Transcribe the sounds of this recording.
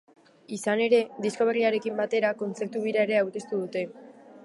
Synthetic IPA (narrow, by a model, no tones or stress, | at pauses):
isane̞ɾe̞d̪isko̞β̞e̞riaɾe̞kimbat̪e̞ɾako̞nt͡se̞ɾt̪uβ̞iɾaeɾe̞awɾke̞st̪uðut̪e̞